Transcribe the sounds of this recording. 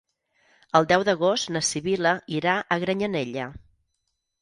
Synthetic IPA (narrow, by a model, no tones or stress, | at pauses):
əlˠd̪ɛwðəɣ̞ost̪nəsiβiləiɾaʔəɣɾəɲəneʎə